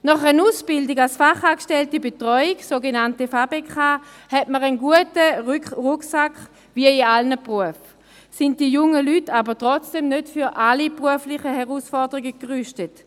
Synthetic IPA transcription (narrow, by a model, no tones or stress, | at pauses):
nɔχənuːsb̥ɪldiɡalsfaχaːkʃtɛltəbetʁɔʏiɡsoɡenantəfabekʰaː | hɛtməʁənɡuətəʁʁuksakχ | viəialnəpʁuəf | sɪnt̚d̥ijʊŋəlytabətʁɔt͡sd̥emnøtfyʁʔalipʁuəflɪχəhɛʁuːsfɔɐdəʁiɡəkʁyʃtət